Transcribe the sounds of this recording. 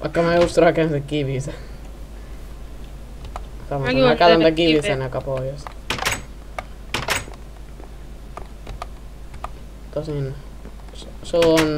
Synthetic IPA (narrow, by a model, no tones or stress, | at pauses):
ʋɑ̰ikːɑmæjust̪rɑkensekiʋisæ | sɑmɑkælænt̪ækiʋisænkɑpoijɑs | t̪osin | soon